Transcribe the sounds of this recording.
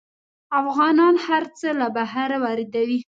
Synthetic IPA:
afɣɑnɑnhaɾt͡səlabaɦaɾawɑɾɪd̪awi

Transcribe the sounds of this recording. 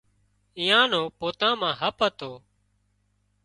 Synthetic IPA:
ĩjãːnoːpoːt̪ãːmãːɦəpət̪oː

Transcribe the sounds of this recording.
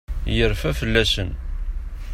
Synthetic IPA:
jəɾˤfæfəlːæsən

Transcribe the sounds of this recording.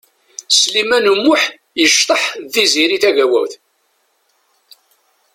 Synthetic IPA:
slimænəmːʊħ | jəʃt̪ˤəħðiziɾiθæʝæwæ̰wθ

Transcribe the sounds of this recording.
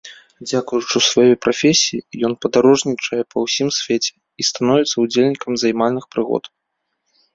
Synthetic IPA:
d͡zʲakujut͡ʂɨsvajɔjpɾafʲesʲijijɔnpɐd̪aɾɔʐnʲit͡ʂɐjɛpɐwsʲimsʲfʲet͡sʲɛ̥ | ist̪anɔvʲɛt̪sɐud͡zʲelʲnʲikɐmzajmalʲnɨxpɾɨɣɔ̰t̪

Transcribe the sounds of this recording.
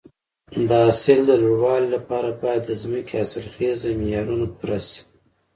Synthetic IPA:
d̪əɑsɪld̪əlowɑllapɑɾabɑjat̪ːəzməkʰeasɪlxezamɪjɑɾunopɾasi̥

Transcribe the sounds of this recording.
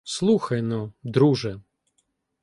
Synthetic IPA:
slˠuxɐjnɔd̪ɾuʒɛ

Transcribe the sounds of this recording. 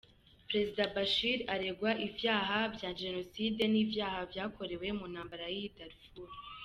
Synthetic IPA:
pɾe̞zidabaʃiɾaɾe̞ɡwaʔivjaːɦabjaːʒe̞no̞side̞niːvjaːhavjaːkʰo̞ɾe̞we̞munhaːmbaɾajiidaɾfuɾ

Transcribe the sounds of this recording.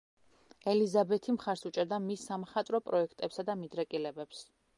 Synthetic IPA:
ɛlizabɛt̪ʰimχaɾsut͡ʃʼɛɾd̪amisːamχat̪ʼɾɔpʼɾɔɛkʰt̪ʼɛpsad̪amid̪ɾɛkʼilɛbɛps

